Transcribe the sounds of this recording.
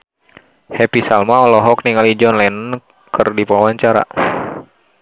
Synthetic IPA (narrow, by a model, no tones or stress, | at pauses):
hɛpisalmaɔlɔɦɔk̚niŋalid͡ʒɔnlɛnn | kɨrdipaawaɲt͡ʃaɾa̰